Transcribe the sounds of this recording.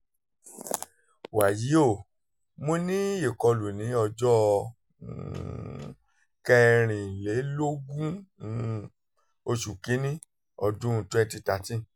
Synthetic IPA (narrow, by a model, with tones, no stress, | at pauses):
wa˨ji˨˦o˦˨ | mõ˦nĩ˦e˦˨kɔ˧lu˨nĩ˨˦ɔ˧d͡ʒɔ˦˧˨ | kɛ˧ɾ̃ĩ˨le˨˦lo˦ɡũ˦˨ | o˧ʃu˨ki˨˦nĩ˦ | ɔ˧dũ˦˧tɛ̃˦˧nti˧ta˨˦tĩ˦